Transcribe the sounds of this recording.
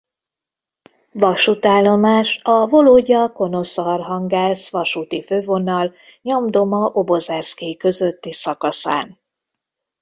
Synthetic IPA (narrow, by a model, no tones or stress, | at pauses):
vɒʃut̪aːlːo̞maːʃɒvo̞loːɟɒko̞no̞sɒrɦɒŋɡaːsʋɒʃut̪iføːvo̞nɒl | ɲomd̪o̞mɒʔo̞bo̞zɛrskeːkø̞zø̞t̪ːisɒkɒsa̰ːn